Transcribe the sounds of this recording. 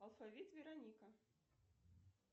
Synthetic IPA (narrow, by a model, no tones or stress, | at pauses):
ɐlˠfavʲit̪vʲɛɾanʲikɐ